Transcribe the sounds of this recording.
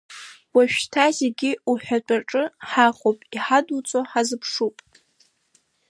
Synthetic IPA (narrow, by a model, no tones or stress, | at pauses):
waʃᶣtʰazeɡʲɪuħʷᶣat͡ʃʷʼaʈ͡ʂʼɨħaχʼopʼiħadut͡sʼoħazɨpʰʂupʼ